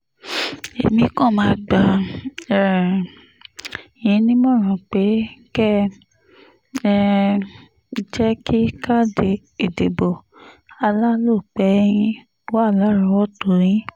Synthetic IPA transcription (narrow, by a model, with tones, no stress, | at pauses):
ḛ˨mĩ˧kɔ̃˦˨mãː˧˦ɡ͡ba˨ɛ˨ | ĩ˧˦nĩ˦mɔ̃˦˨ɾ̃ũ˨k͡pe˨˦kɛ˦ | ɛ˦ | d͡ʒɛ˦kʰi˦ka˦de˧ | e˨de˨bo˨ | a˧la˦lo˦˨k͡pɛ˨˦jĩ˦ | wa˦˨la˦ɾa˧˦wɔ˦to˨ɾ̃ĩ˨˦